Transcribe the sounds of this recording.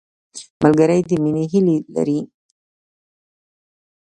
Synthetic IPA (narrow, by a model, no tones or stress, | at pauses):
malɡaɾajd̪iminiɦilila̰ɾi